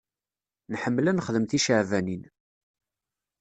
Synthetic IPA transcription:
nħəmːlænəχðəmθiʃəʕvænin

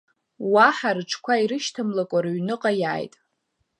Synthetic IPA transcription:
waħarɨʈ͡ʂʰkʷʰaiɾɨʃtʰamlakʷʼarɥnɨqʼajaːjtʼ

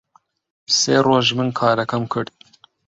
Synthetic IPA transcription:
seːɾoːʒmɨnkʰɑːɾɐkʰɐmkʰɨɾd̪̚

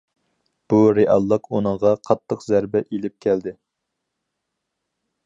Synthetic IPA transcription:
b̥uɾeʔɑlˠːəqunɨŋʁɑqʰɑt̪ʰːəqzæɾbɛʔelɪp̚kʲʰæld̪ɪ

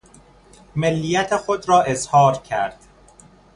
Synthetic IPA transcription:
melːijæt̪ʰexod̪ɾɒːʔe̞zhɒːɾcʰæɾd̪̥

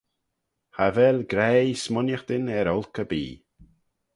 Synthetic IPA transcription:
havɛlɡɾɛsmʊnjəxd̪̥ɪnɛɾɔlˠkəbḭː

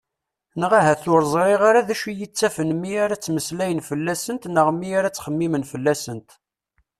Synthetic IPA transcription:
nəʁaɦæθʊɾzˤɾˤiʁaɾaðæʃijət͡sːæfənmːiaɾat͡sːməslæjənfəlːæsənt̪nəʁmːiaɾat͡sːχəmːimənfəlːæsənt̪

